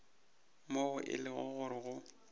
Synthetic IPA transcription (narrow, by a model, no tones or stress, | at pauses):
moʊʔɪ̰lɪɣʊ̰ɣʊɾɪɣʊ